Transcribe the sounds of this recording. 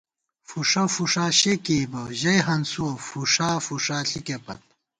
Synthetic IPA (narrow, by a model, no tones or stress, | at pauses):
fuʂɐfuʂaːɕekibɐʑɐjɦɐnsuɐfuʂaːfuʂaːɬikepɐ̰t̪̚